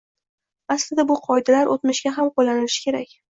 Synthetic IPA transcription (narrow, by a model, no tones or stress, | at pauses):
aslɪd̪abʊqʰɒjd̪alaɾʔot̪mɪʃɡʲaɦamqolːanɪlɪʃɪ̥kʲʰe̞ɾakʲ